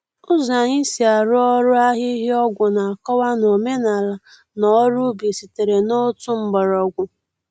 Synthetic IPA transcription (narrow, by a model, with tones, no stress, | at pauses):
ʊ˦za˨ɲi˦si˨a˨ɾʊ˦ɔ˦ɾʊ˦a˦ɦɪ˦ɦɪ˦ɔ˦ɡʷʊ˨na˨a˨kɔ˦wa˦no˨me˦na˨la˨ | nɔ˨˦ɾʊ˦bi˨si˨te˨ɾe˨no˦tu˦m̩˦bɔ˨ɾɔ˨ɡʷʊ˨